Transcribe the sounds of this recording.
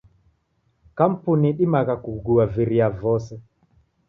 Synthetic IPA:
kam̩puniɗimaɣakuɡuaviɾiavɔsɛ

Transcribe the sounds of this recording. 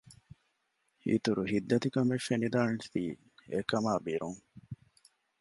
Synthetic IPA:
hḭt̪uɾuhid̪ːɐt̪ikɐmefːenid̪aːnst̪iː | ekɐmaːbiɾuŋ

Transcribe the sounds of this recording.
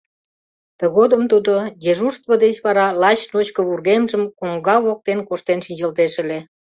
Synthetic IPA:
t̪ə̆ɣod̪əmt̪ud̪ojeʒuʃt̪βəd̪et͡ɕβɑɾɑlɑt͡ɕnot͡ɕkəβurɣemʒəmkoŋɡɑβok̚t̪enkoʃt̪enʃind͡ʑəlt̪eʃə̆le

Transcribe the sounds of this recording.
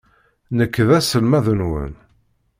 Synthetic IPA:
nəkːðæsəlmæðənwə̰n

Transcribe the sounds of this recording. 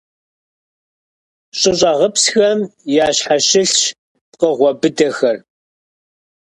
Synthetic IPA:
ɕʼɪɕʼɐʁəpsxɐmjaːɕħaʃɪɬʃ | t̚qəʁʷɔbɨdɐxɐr

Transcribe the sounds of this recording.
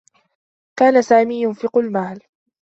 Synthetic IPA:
kaːnasaːmiːjʊnfɪqʊlmaːl

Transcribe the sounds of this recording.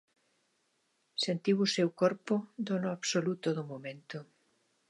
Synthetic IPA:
sent̪iβusewkoɾpod̪onoaβsolut̪oðomomẽnt̪o

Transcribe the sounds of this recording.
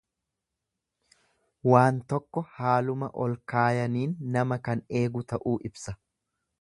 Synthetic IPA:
waːnt̪ɔkːɔhaːlʊmɐʔɔlkaːjɐniːnːɐmɐkɐne̞ːɡʊt̪ɐʔuːʔɪbsɐ

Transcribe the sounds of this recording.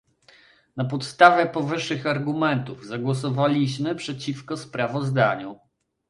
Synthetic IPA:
napɔt̪st̪avʲjɛpɔvɘʂːɘxaɾɡumɛnt̪uvzaɡwɔsɔvalʲiɕmɘpʂɛt͡ɕifkɔspɾavɔzd̪aɲu

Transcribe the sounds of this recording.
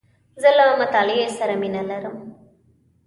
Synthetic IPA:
zɐlaɐmɐt̪alijesɐɾɐminɐlɐɾɐm

